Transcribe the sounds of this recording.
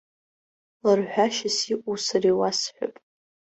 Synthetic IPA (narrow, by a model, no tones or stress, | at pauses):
larħʷᶣaʃasiʔʷʼusariwasħʷᶣa̰pʼ